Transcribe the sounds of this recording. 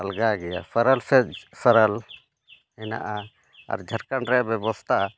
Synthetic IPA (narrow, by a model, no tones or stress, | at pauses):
əlɡaɡɛja̰sʰəɾəlsɛsəɾəl | ɛna̰ʔa | a̰ɾd͡ʒʱəɾkanɾɛʔbɛbɔst̪ʰaʔa